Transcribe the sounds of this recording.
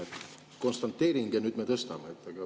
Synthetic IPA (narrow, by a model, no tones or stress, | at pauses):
et̪ | konst̪ɑnt̪ːeːɾiŋɡenyd̪met̪əst̪ɑ̰meet̪ːɑɡɑ